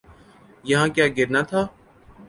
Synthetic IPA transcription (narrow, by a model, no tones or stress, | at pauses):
jɐɦãːkjaːɡɪɾnat̪ʰaː